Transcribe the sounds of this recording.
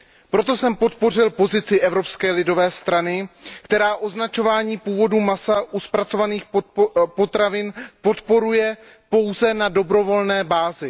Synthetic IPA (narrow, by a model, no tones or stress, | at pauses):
pɾo̞t̪o̞sɛmpo̞t̪po̞r̝ɪlpo̞zɪt͡sɪʔɛvɾo̞pskɛːlɪdo̞vɛːst̪ɾanɪkt̪ɛɾaːʔo̞znat͡ʃo̞vaːɲiːpuːvo̞dumasaʔuspɾat͡so̞vaniːxpot̪ɾavɪnpo̞t̪po̞ɾujɛ | po̞wzɛnado̞bɾo̞vo̞lnɛːbaːzɪ